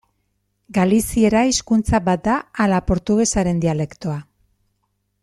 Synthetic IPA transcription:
ɡalisie̞ɾaiskunt͡saβat̪̚d̪aːlapo̞ɾt̪uɣe̞saɾe̞nd̪iale̞kt̪oa

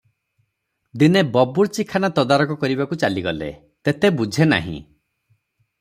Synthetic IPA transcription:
d̪inebɔbuɾt͡ʃikʰanat̪ɔd̪aɾɔkɔkɔɾibakut͡ʃaliɡɔlḛ | t̪et̪ebud͡ʒʱena̰ɦḭ̃

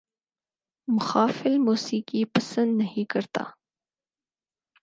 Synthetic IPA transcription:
mʊxaːfɪlmuːsiːkipɐsə̃nd̪nɐɦĩkɐɾt̪a̰ː

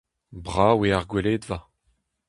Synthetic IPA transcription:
bʁaːweaʁɡweleːd̪va

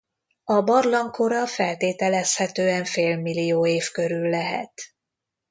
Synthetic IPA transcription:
ɒbɒrlɒŋkʰo̞ɾɒfɛlt̪eːt̪ɛlɛshɛt̪øːɛɱfeːlmilijoːeːfkø̞ɾylːɛɦɛ̰t̪

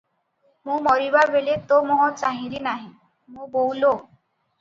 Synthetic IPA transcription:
mũmɔɾibabelet̪omɔɦɔt͡ʃaɦĩɾinaɦĩ | mũbowlo

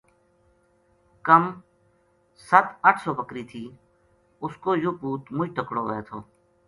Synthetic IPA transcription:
kəm | sət̪əʈʰsoːpəkɾiːt̪ʰiː | ʊskoːjoːpuːt̪mʊd͡ʒʈəkɽoːəeːt̪ʰoː

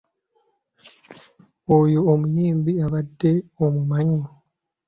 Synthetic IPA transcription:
ojoːmujiːmbiaβadːe̞omumaɲo

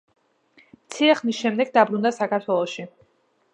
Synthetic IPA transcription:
mt̪sʰiɾɛχnisʃɛmd̪ɛɡd̪abɾund̪asakʰaɾt̪ʰwɛlˠɔʃi

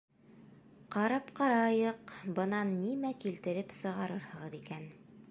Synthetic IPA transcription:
qɑɾɑpqɑɾɑjɤqbɤ̆nɑnːimækilt̪ɘ̆ɾɘpsɤ̆ʁɑɾɤɾhɤ̆ʁɤðikæn

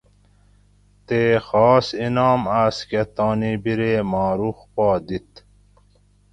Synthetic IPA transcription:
t̪eːxɔːsinɑːmasket̪oːnibiɾeːmɑːɾuxpoːd̪it̪

